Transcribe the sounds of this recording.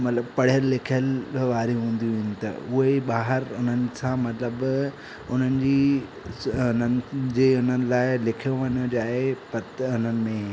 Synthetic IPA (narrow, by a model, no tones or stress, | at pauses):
mɐt̪ləbpɐɽ̤ijəlːɪkʰijəlʋaːɾiɦũːn̆d̪iʋĩːnɪ̆t̪ɐ̰ʊɦeɓaːɦəɾʊn̤ənɪ̆sãmɐt̪ləb | ʊn̤ənɪ̆d͡ʑiː | ʊnənɪ̆d͡ʑeːʊn̤ənɪ̆laːɪlɪkʰijoʋɐɲod͡ʑaːepɐt̪ʊn̤ənɪ̆mẽ